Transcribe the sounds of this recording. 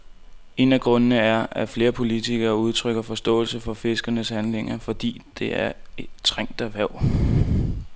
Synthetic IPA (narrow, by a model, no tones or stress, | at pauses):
e̝̰næɡ̥ʁɔ̽nənəæɐæfle̝ːɐpʰo̝lit͡sʰiɡ̥ɐːuð̞ˠt͡sʰʁœɡ̥ɐfɒ̽sd̥ɔ̰̽ːlsəfɒ̽fe̝sɡ̥ɐnəshænle̝ŋɐfɒ̽d̥ḭːd̥e̝æɐe̥t͡sʰʁeŋ̰d̥æʋæʊ̰